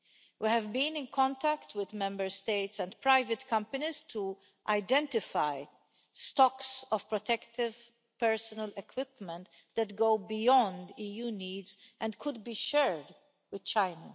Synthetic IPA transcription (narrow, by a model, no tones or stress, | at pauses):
wihɛvbĩnɪ̃nkʰɔ̃nt̪ækt̪wɪd̪mɛ̃mbəɹst̪eɪt̪sɛ̃nd̪pɾaɪvət̪kʰʌ̃mpɐnizt̪ʰu | ʔaɪd̪ɛ̃nt̪ɪfaj | st̪ɔksɔv̥pɾɔt̪ɛkt̪ɪv | pɛɹsɔnəlɛkʰwɪpmə̃nt̪ | d̪ɛt̪ɡoʊbijɔ̃nd̪iːjuːniːdzʔɛ̃ndkʰʊd̪̚biːʃɛɹd | wɪd̪̥t͡ʃaɪnɐ